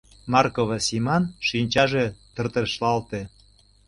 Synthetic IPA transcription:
mɑrkoβɑsimɑnʃinʲt͡ɕɑʒet̪ə̆rt̪ə̆ʃlɑlt̪e

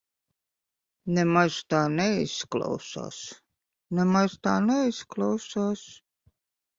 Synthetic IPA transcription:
nɛmaʒt̪aːnɛisklˠa̰wsa̰ːs | nɛmaʒt̪a̰ːnɛisklˠawsaːs

